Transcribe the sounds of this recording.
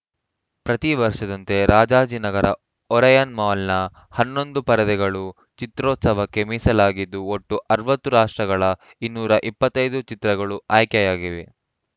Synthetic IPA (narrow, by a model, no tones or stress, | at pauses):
pɾɐt̪iʋɐɾʂɐd̪ɐnt̪e̞ɾaːd͡ʒaːd͡ʒinɐɡɐɾɐ̰ | ɔɾɐjɐnmaːlnɐ | hɐnːo̞nd̪upɐɾɐd̪ɛɡɐɭu | t͡ʃit̪ɾɔːt̪sɐʋɐkːe̞miːsɐlaːɡid̪ːuoʈːuʔɐɾʋɐt̪ːuɾaːʂʈɾɐɡɐɭɐ | inːuːɾɐʔipːɐt̪ːɐjd̪ut͡ʃit̪ɾɐɡɐɭuaːjkjɐjaːɡiʋe